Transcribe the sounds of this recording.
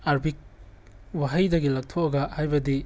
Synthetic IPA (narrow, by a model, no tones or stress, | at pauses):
aɾbik̚ | waɦɐjdɐɡilɐk̚tʰokɐɡɐhajbɐdi